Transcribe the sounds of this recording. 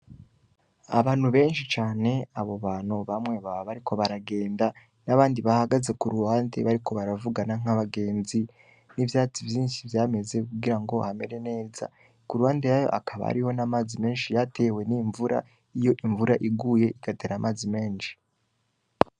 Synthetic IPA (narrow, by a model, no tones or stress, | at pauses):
a̰βaːn̥huβe̞ːnʃit͡ʃaːne̞aβo̞βaːn̥uβamŋe̞βaββaɾikʰo̞βaɾaɡe̞ːnda | naβaːndiβahaɡaze̞kuɾuwaːndḛβaɾikʰo̞βaɾavuɡanaŋ̥aβaɡe̞ːnzi | nivjaːt͡sivjiːnʃivjaːme̞ze̞kuɡiɾaŋɡo̞hame̞ɾe̞ne̞ːza̰ | kuɾuwaːndejaːjo̞̰ʔakʰaβa̰ɾiho̞namaːzime̞ːnʃijatʰe̞we̞niɱvuɾa̰ | ijo̞ʔiɱvuɾaʔiɡuːje̞iɡ̥ateɾaːmʔaːzime̞ːnʃi̥